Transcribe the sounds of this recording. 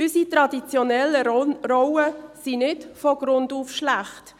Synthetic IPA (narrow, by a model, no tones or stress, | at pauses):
ʏsitɾɑdit͡sjɔnɛləɾɔwəsinɪtfɔɡ̥ɾʊnduːfʃlæχt